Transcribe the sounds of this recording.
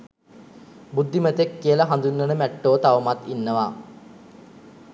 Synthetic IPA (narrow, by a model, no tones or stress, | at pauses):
bud̪ːimət̪ekːijəlɐɦand̪unːənəmæʈːoːt̪aʋəmat̪inːəʋa